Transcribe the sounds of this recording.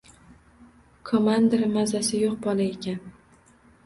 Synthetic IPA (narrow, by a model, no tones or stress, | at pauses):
kʰomand̪eɾmazasɪjoqbɒlˠaekʲan